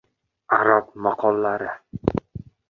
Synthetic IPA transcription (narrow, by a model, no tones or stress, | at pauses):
aɾapmaqʰɒlˠːaɾɪ